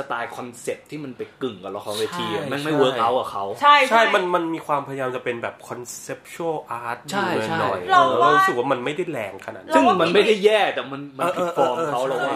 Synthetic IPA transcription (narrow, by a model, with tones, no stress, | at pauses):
sa˧t̪aː˧jkʰɔ˧nse˨˩p̚t̪ʰiː˥˩ma˧npa˧jkɯ˨˩ŋka˨˩lɔ˧˦kʰɔː˧˦weː˧t̪ʰiː˧a˨˩naː˥˩ŋma˥˩jwɤː˦˥k̚ʔa˦˥wka˨˩kʰa˦˥wt͡ɕʰa˥˩jt͡ɕʰa˥˩jma˧nma˧nmiː˧kʰwaː˧mpʰa˧ja˧jaː˧mt͡ɕa˨˩pe˧nbɛː˨˩p̚kʰɔ˧nse˦˥p̚t͡ɕʰu˦ə˥˩ʔaː˦˥t̪̚t͡ɕʰa˥˧˩ɤ˧˥nɔ̰˨˩jlɔ˧aː˧ɾu˦˥sɯ˨˩k̚waː˥˩ma˧nma˥˩jda˥˩jlɛ̰ː˨˧ŋkʰa˧na̰˨˩sɯ˥˩ŋma˧nma˥˩jda˥˩jːɛː˥˩t̪ɛː˨˩ma˧nma˧ɤː˧ʔɤː˦˧ʔɔː˧ɤː˧kʰa˦˥wɾlɔ˨˩wa˥˩